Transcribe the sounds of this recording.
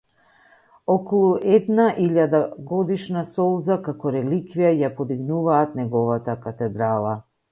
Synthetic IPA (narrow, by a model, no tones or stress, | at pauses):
ɔkɔlˠuʔɛd̪naʔiʎad̪aɡɔd̪iʃnasɔlˠzakakɔɾɛlikvijajapɔd̪iɡnuvaːt̪nɛɡɔvat̪akat̪ɛd̪ɾalˠa